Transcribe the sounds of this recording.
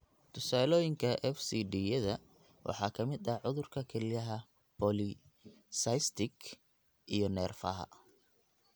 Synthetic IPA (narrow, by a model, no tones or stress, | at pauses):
t̪ʰʊsaːlɔːjɪŋkʰɐʔɛfsiɖiːjɛðɐ | wʔɑ̰ħɑːkʰɐmɪd̪ɐʕʊðʊrkʰɐkʰɛlɪjɐɦɐ | pʰɔlɪ | sɐjst̪ʰɪɡ | ʔijɔnɛːrfɐɦɐ̰